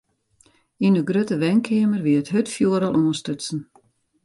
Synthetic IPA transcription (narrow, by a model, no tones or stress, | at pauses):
inəɡrøtəʋɛŋkʰɪəmərʋiətɦøtfjuəɾɔlˠʔuənstøtsn̩